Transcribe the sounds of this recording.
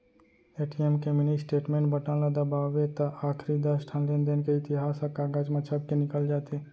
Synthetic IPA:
eːʈijemkemɪnisʈeːʈmẽːɳʈbəʈãnlad̪ɐbaːʋet̪əaːkʰɾid̪əsʈʰãnlend̪enkeɪt̪ɪɦaːsəkaːɡaːd͡ʒmət͡ʃʰəb̚kenɪkəld͡ʒaːt̪eɛ

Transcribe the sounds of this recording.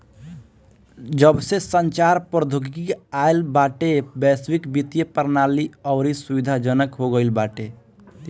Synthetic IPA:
d͡ʒəbsesənt͡ʃaɾpɾd̪ʱuɡɡiaelbaʈebɛswikbit̪ijepəɾnaliɔʊɾisubid̪ʱad͡ʒənəkɦoɡəɪlbaʈe

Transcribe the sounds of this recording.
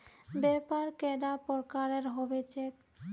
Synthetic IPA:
bɛpaɾkeɖapɔɾkaɾeɾɦɔbet͡ɕek̚

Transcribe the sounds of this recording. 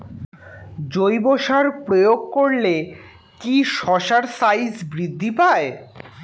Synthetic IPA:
d͡ʑojboʃaɾpɾojoɡ̚koɾle | kiʃɔʃaɾsajsbɾid̪ʱːipae

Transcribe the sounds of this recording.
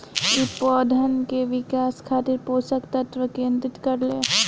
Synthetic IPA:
ipɔːd̪ʱənkeʋɪkaːskʰaːt̪ɪɾpoːsəkt̪ɐt̪ʋəkẽːnt̪ɾɪt̪kɐɾleː

